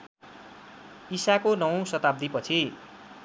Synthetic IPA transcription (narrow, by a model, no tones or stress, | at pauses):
isakonʌw̃sʌt̪ab̚d̪ipʌt͡sʰi